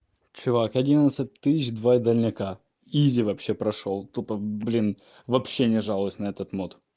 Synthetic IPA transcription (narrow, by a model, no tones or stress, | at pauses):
t͡ɕʊvakɐdʲinət̪sɨt̚ʲt̪ːɨsʲɪt͡ɕd̪vaid̪əlʲnʲɪka | izʲɪvɐpɕːe̞pɾɐʂolˠt̪upəblʲin | vɐpɕːenʲɪʐalˠəʊsʲnɐɛt̪ət̪mot̪